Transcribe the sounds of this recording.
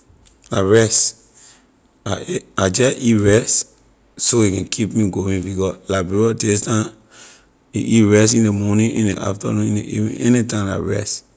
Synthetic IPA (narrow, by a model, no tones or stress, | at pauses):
laɹɛs | aad͡ʒɛʔiɹɛst | soikɛ̃nkʰipmiɡowĩŋbikɔslabeɹɔdestã | iʔiɹɛst̬ĩndemɔnĩʔĩndeʔa̰fta̰nũnĩneʔḭvḭ̃ɛnitãmla̰ɹɛ̰st